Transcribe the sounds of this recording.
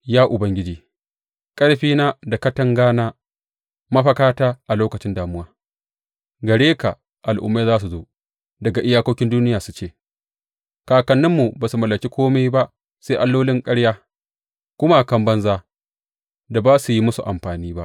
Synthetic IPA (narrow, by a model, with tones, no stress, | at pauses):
jaː˦ʔʊ˨bɐ˦ŋɡʲɪ˦d͡ʒiː˨ | kʼɐ˦ɽɸiː˦naː˦da˨kɐ˦tɐ˦ŋɡaː˦naː˦ | mɐ˦ɸɐ˦kaː˦taː˦ʔa˨loː˦kɐ˨t͡ʃɪ˦ndaː˨mʊ˦waː˦ | ɡɐ˨ɽeː˦ka̰˨ | ʔa˨lʔʊ̰˨mːeː˦zaː˦s̬u˨zoː˦ | dɐ˨ɡa˨ʔɪ˦jaː˦koː˦kʲɪ˦nduː˦nɪ˦jaː˨su̥˨˦t͡ʃeː˦˨ | kaː˨kɐ˨nːɪ˦mːu˨baː˨su˨mɐ˨lːɐ˨kʲi˦kʷoː˦ma˦jba˦ʔ | se˦ʔa˦lːoː˦lɪ˦ŋkʼɐ˦ɽjaː˦ | kʷʊ˦ma˦˨kɐ˦mbɐ˦nzaː˦ | da˨baː˦su˨ji˦mʊ˦sṵ˨ʔa˨mɸaː˨niː˦ba˦ʔ